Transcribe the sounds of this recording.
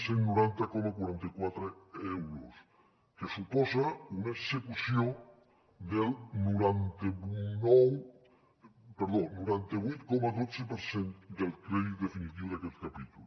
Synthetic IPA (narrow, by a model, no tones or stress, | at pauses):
senːuɾant̪akɔmakwaɾant̪akwat̪ɾeewɾos | kesupɔzaunaesekusjo | d̪elnuɾant̪eβnow | peɾðonuɾant̪eβujt̪kɔmaðot͡sepeɾsend̪elkɾeðiðefinit̪iwðakɛt̪kapit̪ul